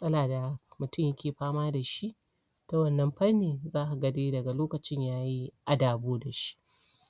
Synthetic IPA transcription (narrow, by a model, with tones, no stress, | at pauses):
sʼɐ˦laː˨da˨mʊ˨tʊ˦mjɐ˦kʲʰeː˨ɸaː˦maː˦da˨ʃi˦ʔ | ta˦wɐ˦˨nːɐ˦mɸɐ˦rneː˨zaː˦ʔa˨ɡɐ˦deː˦dɐ˨ɡa˨loː˦kɐ˨t͡ʃɪ˦ɲjaː˦ji˦ʔa˦daː˨boː˦da˨ʃi̥˦ʔ